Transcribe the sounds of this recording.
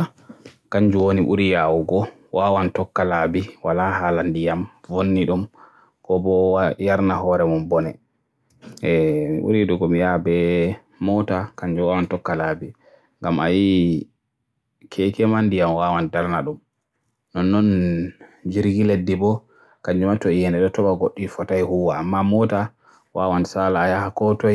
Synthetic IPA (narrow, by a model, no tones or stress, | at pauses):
kaɲd͡ʒuwoniʔṵɾijawuɡɔ | wawantɔkːalabiwalaɦaːlandijamvonːiɗum | kɔbɔjaɾnaɦɔːɾɛmɔmbɔnɛ | mḭʔṵɾiɗuɡɔmijabɛ | mɔtakaɲd͡ʒuwawantɔkːalabi | ŋɡama̰ji | kʰɛkɛmandijamwawandaɾnaɗum | nɔnːɔn | d͡ʒiɾɡiledːibɔ | kaɲd͡ʒumatɔijɛnɛɗɔtɔbaɡoɗːifɔtajhuwaːmːamɔta | wawansalaːjahakɔtɔj